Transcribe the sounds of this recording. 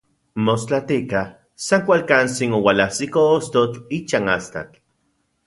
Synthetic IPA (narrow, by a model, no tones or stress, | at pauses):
most͡ɬat̪ikah | saŋkʷalkant͡siŋowalahsikoost̪ot͡ɬit͡ʃaŋast̪a̰t͡ɬ